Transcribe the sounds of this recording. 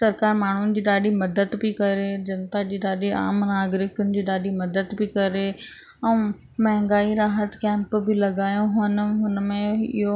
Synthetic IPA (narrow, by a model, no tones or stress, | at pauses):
sɐɾkaːɾmaːɳ̤ʊnɪ̆d͡ʑiːɗaːɗimɐd̪əd̪bɪkɐɾed͡ʑɐnt̪ad͡ʑiːɗaːɗiʔa̰ːmnaːɡɾɪkʊnɪ̆d͡ʑiːɗaːɗimɐd̪əd̪bɪkɐɾe | ɛ̃ | mɐɦɛ̃ŋɡaːiɾaːɦət̪kɛ̃ːmpbɪlɐɡaːjõɦənəɦʊnmẽɪ̰ɦo